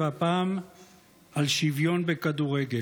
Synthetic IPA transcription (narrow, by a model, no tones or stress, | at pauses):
apaːm | alʃivjo̞nbekad̪uʁeɡe